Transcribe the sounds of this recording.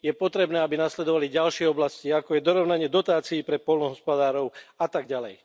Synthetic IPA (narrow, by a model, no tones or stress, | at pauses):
jɛpɔt̪ɾɛbnɛːabinaslɛd̪ɔʋaliɟalʃɪɛɔblasciakɔjɛd̪ɔɾɔʊnaɲɪɛd̪ɔt̪aːt͡siːpɾɛpɔlnɔɦɔspɔd̪aːɾɔʊat̪aɡɟalɛj